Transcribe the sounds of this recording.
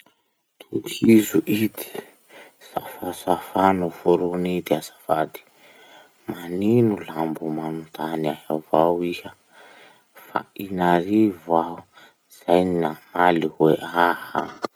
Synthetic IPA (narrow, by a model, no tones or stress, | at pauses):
t̪ʰukʰizuʔid̪i̥ | safasafanuvuɾunid̪easḁfad̪i̥ | maninulambumanunt̪ʰaniaɦavawihə | fa̰inaɾivau | z̥ajniamaliweʔaha̰